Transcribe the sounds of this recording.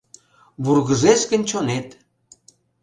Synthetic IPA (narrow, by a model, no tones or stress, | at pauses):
βurɣə̆zeʃkə̆nʲt͡ɕonet̪